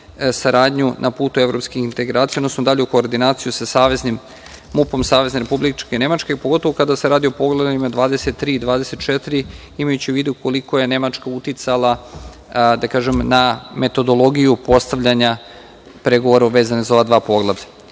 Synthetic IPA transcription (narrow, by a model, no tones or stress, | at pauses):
saɾaːd̪ɲunʔapuːt̪ue̞vɾo̞pskixint̪eɡɾaːt̪ijaod̪nosnod̪aʎeuko̞ːɾd̪inaːt̪sijusasaːʋe̞znim | mupo̞msaːʋe̞zneɾepublit͡ʃkene̞mat͡ʃkepoɡot̪o̞ʋo̞kad̪aseɾaːd̪io̞po̞ɡlˠaimad̪ʋaːd̪ese̞t̪ːɾiːd̪ʋaːd̪ese̞t̪t͡ʃet̪iɾi | imajut͡ɕiuʋiːd̪uko̞liko̞je̞ne̞mat͡ʃkaut̪it̪salˠa | d̪akaːʒemname̞t̪o̞d̪o̞lˠo̞ɡijupo̞st̪aʋʎaɲa | pɾe̞ɡoʋoɾaʋeːzanezao̞ʋad̪ʋaːpo̞ɡlˠaʋʎa